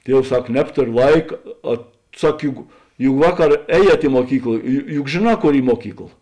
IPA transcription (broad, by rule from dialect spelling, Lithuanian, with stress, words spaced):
ˈtʲiɛws ˈsɐk ˈnʲæːptoːrʲoː ˈlˠɐɪkɐ ɐ ˈsɐk ˈjʊk jʊk ˈʋɑːˌkɐr ˈɛːˌjiɛt ɪ muɔˈkʲiːklˠɐ jʊ jʊk ʒʲeːˈnɑː ˈkoːr ˈiː ˈmuɔkʲiːklˠɐ